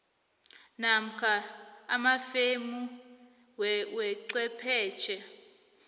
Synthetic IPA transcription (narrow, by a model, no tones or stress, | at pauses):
nam̩kʰaamafemu | wwɛǀwɛpʰɛːt͡ʃʰɛ